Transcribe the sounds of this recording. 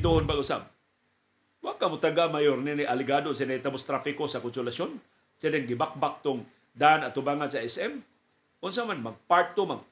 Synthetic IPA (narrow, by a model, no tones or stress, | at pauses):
t̪uhʊnbaɡʊsa̰b̚ | waɡ̚kamʊt̪aɡamajoɾnɪnɪʔalɪɡados̬ɪnajt̪abʊst̪ɾafɪkosakʊnsʊlasjon | sɪdɪŋɡɪbak̚bak̚t̪ʊŋ | d̪aʔanat̪ʊbaːŋansaɛsɛm | ʔʊnsamanmaɡ̚paɹt̪omaɡ̚